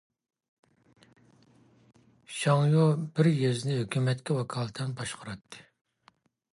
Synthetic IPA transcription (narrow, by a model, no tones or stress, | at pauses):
ʃɑŋjobɪɾjezɪnɪɦøkʲymɛt̪kʲɛwɑkʰɑlˠt̪ʰɛnbɑʃqʰɑɾɑt̪ʰːɨ̥